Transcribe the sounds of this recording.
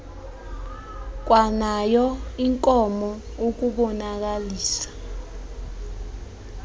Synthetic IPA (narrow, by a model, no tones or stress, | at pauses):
k̬wanajɔiŋkʼɔmɔ | ok̬uɓɔnak̬aliːsḁ